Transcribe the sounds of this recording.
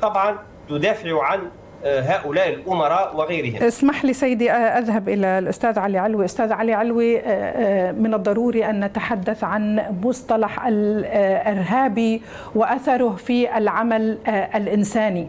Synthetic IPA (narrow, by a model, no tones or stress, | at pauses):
t̪ˤɑbʕɑn | t̪ʊd̪aːfɪʕʕan | ɦaːʔʊlaːʔɪlʔʊmɑɾˤɑːʔwɪɣajɾɪhɪmsmaħliːsajːɪd̪iʔʔaðɦabʔɪlalʔʊst̪aːðʕaliʕalwiʔʊst̪aːðʕaliʕalwi | mɪnɨd̪ˤːɑɾˤuːɾiʔanːat̪aħad̪ːaθʕanmʊsˤt̪ˤɑlɑħʔalʔɪɾɦaːbi | wɪʔaθɑɾˤʊhfiʔalʕamalʔalʔɪnsaːni